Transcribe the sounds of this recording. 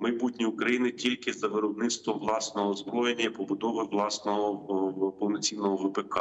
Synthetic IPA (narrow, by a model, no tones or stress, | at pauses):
mɐjbutʲnʲiʊkɾɐjinɪtʲilʲkɪzɐʋeɾɔbnɪt̪st̪ʋɔʋlˠɑsnɔɦɔːzbɾɔjenʲːɐipɔbʊd̪ɔʋɪʋlˠɑsnɔɦɔpɔwnɔt͡sʲinːɔɦɔʋɪpekɑ